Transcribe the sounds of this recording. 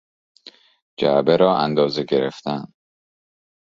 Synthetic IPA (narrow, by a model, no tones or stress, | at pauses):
d͡ʒæbeɾɒːʔænd̪ɒːzeɡe̞ɾeft̪ʰænd̪̥